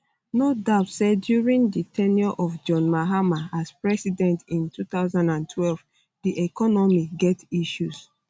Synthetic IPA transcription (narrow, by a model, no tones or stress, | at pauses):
nodatsɛdjuɹĩnditʰɛnjɔʔɔvd͡ʒɔ̃nmaɦamaaspɹɛsidɛ̃ntĩntutaʊzãndãntʰwɛlv | diʔɛkɔnɔmiɡɛtiʃus